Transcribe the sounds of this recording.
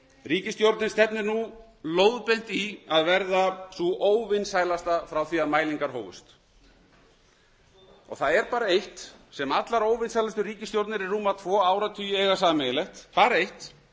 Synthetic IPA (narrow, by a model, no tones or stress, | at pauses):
riːcɪst̪jowɾt̪nɪnst̪ɛpnɪɾnu | loːwðpejn̥t̪iaðvɛɾðaθuʔoːwvɪnsaːjlast̪afɾawθiːamaːjliŋkaɾ̥ɦo̰ːwvʏ̰st̪ | ɔ̰ɣθaðɛɾpaːɾaejht̪sɛmat̪laɾoːwvɪnsajlast̪ʏɾiːcɪst̪jowɾt̪nɪɾiːuːmat̪ʰvɔːaːwɾat̪ʰyːjʏɛːɣasaːmɛjlɛht̪paːɾaejht̪